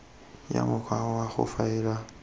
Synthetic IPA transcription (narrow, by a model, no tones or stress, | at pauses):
ja̰mukʰawaxṵfaiɾa